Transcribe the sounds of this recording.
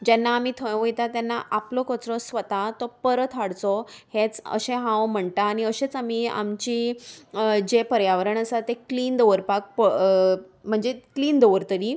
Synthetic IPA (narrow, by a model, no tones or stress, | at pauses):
d͡ʑɛnːaːmiːt̪ʰə̃jʋəjt̪at̪anːaʔaplɔkɔt͡sɾɔsʋət̪at̪ɔpəɾət̪ʰaɽt͡sɔhet͡sə̰ɕẽɦãwm̤əɳt̪aːɽ̃iəɕet͡samiːa̰mt͡ɕiː | d͡ʑepəɾjaʋəɾəɳəsat̪ːekliːnd̪əʋəɾpak̚pə | m̤əɳd͡zekliːnd̪əʋəɾt̪əɾiː